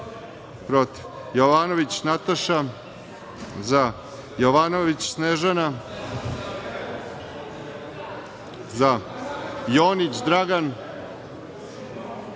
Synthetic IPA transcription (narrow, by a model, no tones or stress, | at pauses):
pɾot̪i̥ʋ | joʋanoʋit͡ɕnat̪aʃa | za | joʋanoʋit͡ɕsneːʒana | za | joːnit͡ɕd̪ɾaɡan